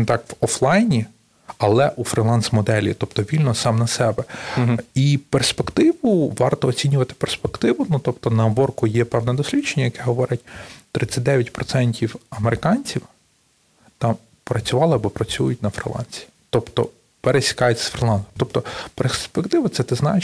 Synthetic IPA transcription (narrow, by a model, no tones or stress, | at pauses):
nt̪ɑkʋɔflˠɑjnʲi | ɐlˠɛʔufɾʲilˠɑnsmɔd̪ɛlʲḭt̪ɔpt̪ɔʋʲilʲnɔsɑmnɐsɛbɛ | iperspekt̪ɪʋʊʋɑrt̪ɔːt͡sʲinʲʊʋɐt̪ɪ̥perspekt̪ɪʋʊnʊt̪ɔpt̪ɔnɐbɔrkʊjɛpɛwnɛd̪ɔsʲlʲid̥t͡ʃːe̞nʲːɐjɐkɛɦɔʋɔɾʲɐtʲt̪ɾɪt͡sʲːɐt̚ʲd̪ɛʋʲjɐtʲpɾɔtsɛnʲtʲʰiwɐmeɾɪkɑnʲt͡sʲiw | t̪ɑm | pɾɐt͡sʲʊʋɑlˠɪɐbɔpɾɐt͡sʲujʊtʲnɐfɾʲɪ̰lˠɑ̰nsʲi̥ | t̪ɔpt̪ɔ̰ | peɾesʲi̥kɑjɛt͡sʲːɐ̥sfɾʲilˠɑnsmt̪ɔpt̪ɔpespekt̪ɪʋɐt̪sɛt̪ɪznɑ̰je